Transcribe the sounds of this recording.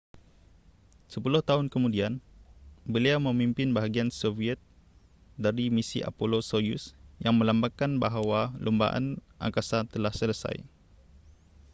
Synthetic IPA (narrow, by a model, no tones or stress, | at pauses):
səpulʊht̪aʊnkəmudian | bəliamə̃mimpɪnbaɦaɡiansoviɛt̪̚ | daɾimisḭʔa̰polosojṵsjaŋmə̃lambakanbaɦawalʔumba̰ʔa̰nʔa̰ŋkasat̪əlahsələsa̰j